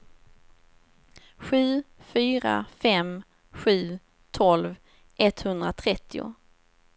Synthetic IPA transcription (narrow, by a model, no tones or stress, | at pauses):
ɧʉ̟ːfyːɾa̰fɛm | ɧʉ̟ː | t̪ʰɔlv | ʔɛt̪hɵnd̪ɾat̪ʰɾɛt̪ʰːɪʊ̰